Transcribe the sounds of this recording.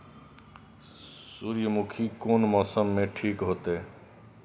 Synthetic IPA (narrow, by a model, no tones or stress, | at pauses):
suːɾjəmukʰikoːnmɔːsəmːẽʈʰiːkɦoːt̪e